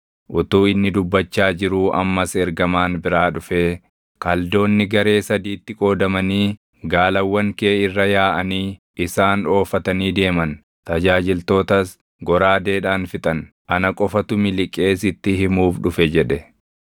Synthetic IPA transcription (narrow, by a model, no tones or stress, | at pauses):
ʔʊt̪uːɪnːɪd̪ʊbːɐt͡ʃːaːd͡ʒɪɾuːʔɐ̰mːɐsɛɾɡɐmaːnbɪɾaːᶑʊfeː | kɐld̪o̞ːnːɪɡɐɾe̞ːsɐd̪iːt̪ːɪkʼo̞ːd̪ɐmɐniː | ɡaːlɐwːɐŋke̞ːɪrːɐjaːʔɐniː | ɪsaːno̞ːfɐt̪ɐniːd̪e̞ːmɐn | t̪ɐd͡ʒaːd͡ʒɪlt̪o̞ːt̪ɐs | ɡɔɾaːd̪e̞ːᶑaːnfɪt̪ʼɐn | ʔɐnɐkʼɔfɐt̪ʊmɪlɪkʼːe̞ːsɪt̪ːɪhɪmuːfᶑʊfɛd͡ʒɛᶑɛ